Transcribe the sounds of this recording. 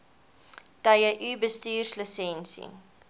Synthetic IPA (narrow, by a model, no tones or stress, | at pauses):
tɐjəʔybəstiːrsləsɛnsḭ